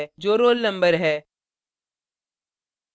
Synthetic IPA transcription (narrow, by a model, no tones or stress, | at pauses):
d͡ʒoːɾoːlnə̃mbəɾɦɛː